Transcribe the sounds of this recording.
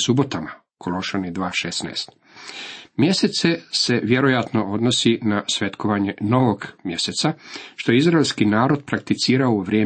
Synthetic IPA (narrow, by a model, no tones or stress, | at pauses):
subo̞t̪ama | kʰolo̞ʃanid̪ʋaːʃesna̰est̪ | mje̞set̪se̞se̞ʋje̞ɾo̞jat̪no̞o̞d̪nosinasʋe̞t̪koʋaɲe̞no̞ʋoɡmje̞set̪saʃt̪o̞jeizɾaelʲskinaːɾo̞d̪pɾak̚t̪it̪siːɾaoʋɾjeː